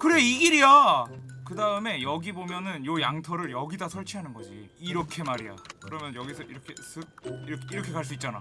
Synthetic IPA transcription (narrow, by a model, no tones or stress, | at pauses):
kɯɾeiɡiɾija | kɯdaɯme̞jʌɡibomjʌnɯnjojaŋtʰʌɾɯɭjʌɡidasʰʌɭt͡ɕʰiɦanɯnɡʌd͡ʑḭːɾʌkʰe̞maɾija̰kɯɾʌmjʌnjʌɡisʰʌiɾʌkʰe̞sʰɯɾiɾʌkʰe̞kaɭs̬͈uit̚t͡ɕ͈ana̰